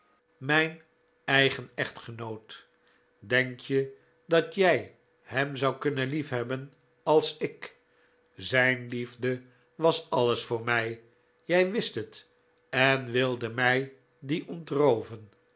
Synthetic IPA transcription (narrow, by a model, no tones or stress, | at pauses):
mɛjn | ɛjχənɛχtχənowt | dɛŋkʰjə | dɑtjɛj | hɛmzɑwkɵnənlifɦɛbən | ɑlˠsɪk | zɛjnlivdə | ʋɑsɑləsfʊːɹmɛj | jɛjʋɪstɦət | ɛnʋɪlˠdəmɛj | diʔɔntrowvən